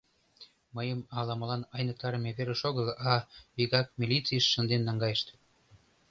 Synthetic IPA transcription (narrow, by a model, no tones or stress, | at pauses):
məjəmɑlɑməlɑnɑjnək̚t̪ɑɾəmeβeɾə̆ʃoɣəlɑβiɣɑkmʲilʲit͡siəʃːə̆nd̪enːɑŋɡɑjəʃt̪